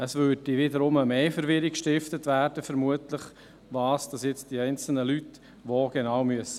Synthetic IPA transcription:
əsvøːdiʋɪdəɾʊməmeːfəɾʋɪɾikʃtɪftətʋæːɾd̥əfəɾmuətləχ | ʋɑːsd̥ɑsjɛt͡st̚d̥iɛɪnt͡sl̩nəlyt | ʋoɡ̥enaːwmyəsə

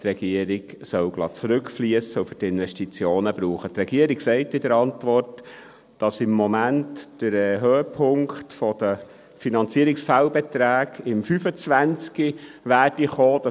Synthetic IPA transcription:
t̪ɾɛɡ̥iəɾiɡsœwɡ̥lɑ̰t͡sɾʉkfliəsəufʏtɪnʋɛʃtit͡sjoːnəbɾuːχət̪ɾɛɡ̥iəɾiksɛɪtɪdəɾɑntʋɔrt | d̥ɑsɪmːɔmæntd̥əɾɛɦøːəpʰʊŋktfɔd̥̪ə | finɑnt͡siəɾɪksfælbɛt̪ɾæːɡɪmfyfət͡sʋænt͡skiʋæːrd̥iχoːd̥ɑ

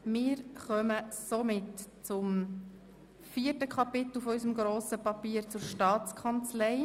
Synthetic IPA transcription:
mɪːɾχœməsomɪtt͡sʊm | fiːətəkʰɑpɪt̪l̩ˠfɔysəmɡɾoːsəpɑpiːəɾt͡sʊɾʃtɑːt͡skʰɑnt͡slɛɪ

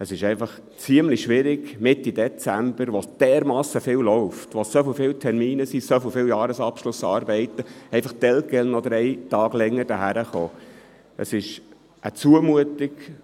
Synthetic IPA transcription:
əsɪʃɛɪfɑχ | t͡siəmliʃʋɪɾɪɡmɪtːidɛt͡sæmb̥əɾʋod̥ɛːɾmɑːsəfɪːwlɔʊftʋosofɪlfɪːwtʰɛɾmiːnəsisɔfwfɪːwjɑːɾəsɑpʃlʊsɑːɾbɛɪtəɛɪfɑχt̪ɛlkɛlnɔd̪əɾɛɪtɑːɡlɛŋːəd̥əɦæɾəχoː | ʔə̰sɪʃ | ʔə̰t͡suəmuətɪɡ

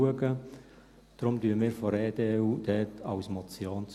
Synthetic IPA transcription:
uəɡə | d̥rʊmdyəmiːɾfɔɾeːdeud̥ɛːtʰɑwsmɔt͡sjoːnt͡s

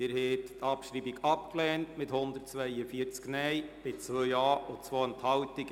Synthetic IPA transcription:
ɪɾhɛttɑpʃɾiːbiɡɑpklɛːntmɪthʊndərtt͡sʋɛɪəfiəɾt͡sknɛjb̥ɪt͡sʋøjɑːot͡sʋoːənt̪hɑwtɪk

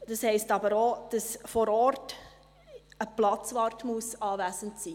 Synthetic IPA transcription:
d̥ɑshɛɪstɑbəɾod̥ɑsfɔɾɔɾt | əplɑt͡sʋɑːɾtmuəsɑːvæsəntsiː

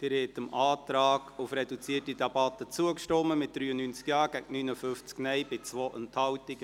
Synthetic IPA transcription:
d̥ɪɾhɛtəmɑːtɾɑːɡ̥ʊfɾɛdut͡siətidɑbɑt̪ət͡suəkʃtɔmːəmɪt̚d̥̪ɾyːənyːnt͡skjɑːɡ̥æɡnynəfʏft͡sknɛjbɪt͡sʋoːʔənthɑwtiɡ

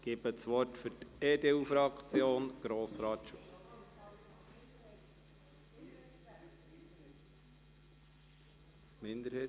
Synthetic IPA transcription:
ɡ̥ɪbət͡sʋɔrtfʏɾteːd̪eufɾɑkt͡sjoːnɡ̥ɾoːsɾɑːt̪ʃu | mɪnd̪əɾhɛː

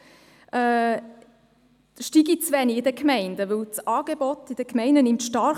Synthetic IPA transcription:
ʔɛ | ʃtiɡit͡sʋɛniɪdəkmɛɪndəʋɵlt͡sʔɑːɡ̥ebɔtɪd̥əkmɛɪndənɪmtʃtɑɾ

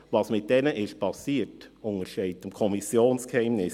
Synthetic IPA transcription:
vɑsmɪt̚d̥ɛnəʔɪʃ̚pʰɑsiːtʊŋəʃɛɪtəmkʰɔmɪsjoːnskhɛɪmnɪs

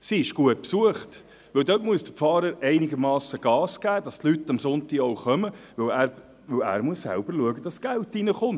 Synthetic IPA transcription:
siɪʃɡ̥uət̚psuəχt | ʋɵwdøtmuəsd̥əpfɑːɾəɾɛɪnɪɡəɾmɑːsəɡ̥ɑːsɡ̥æːd̥ɑst̪lytɑmsʊntiɔʊχœməʋɵwæːɾ | ʋɵwæ̰ːɾmuəsːæ̰lb̥əɾluəɡəd̥ɑsɡ̥æltinəχʊnt

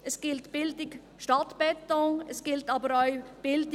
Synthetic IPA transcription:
ɛsɡ̥ɪltb̥ɪltɪɡ | ʃtɑtb̥ɛtɔŋɛsɡ̥ɪltɑːbəɾaɪb̥ɪlt

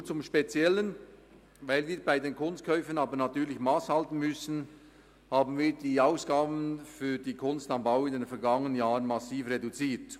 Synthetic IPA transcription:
t͡sʊmʃpet͡sjɛlən | vaɪlviːɾbaɪdeːnkʰʊnst̚kʰœʏfənɑːbənatyːɐlɪçmaːshaltn̩mʏsn̩ | haːbn̩viːdiːaʊsɡ̥aːbən̩fyːdiːkʰʊnstɑmbaʊɪndenfɛɐɾɡɑŋənənjaːʁənmasiːfredut͡siːt

